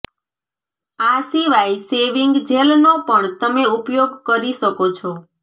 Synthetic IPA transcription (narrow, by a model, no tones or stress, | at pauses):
asiʋajseʋiŋɡd͡ʒelnopəɳt̪əmeupjoɡkəɾiʃəkot͡ʃʰɔ